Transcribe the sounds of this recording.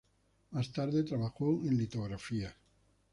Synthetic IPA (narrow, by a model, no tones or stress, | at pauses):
mast̪aɾðet̪ɾaβaxoẽnlit̪oɣɾafia